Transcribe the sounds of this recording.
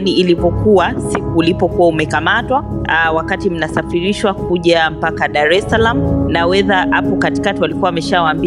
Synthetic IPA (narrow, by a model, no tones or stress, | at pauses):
niːlipɔkuwasikuːlipɔkuwaumɛkamatwawakatim̩nasafiɾiʃwakuʄam̩pakaɗaɾɛsalamunawɛðahapɔkati̥katiwalikuwawamɛʃawaːmbi